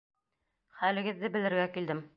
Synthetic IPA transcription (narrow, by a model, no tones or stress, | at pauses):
χælɘ̆ɡɘ̆ðːɘbɘ̆lɘ̆ɾɡækild̪ɘm